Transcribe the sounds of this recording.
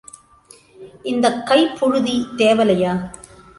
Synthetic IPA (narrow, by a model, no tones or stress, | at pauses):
ʔɪnd̪ɐkːɐɪpːʊɻʊðit̪eːʋɐlɐjaː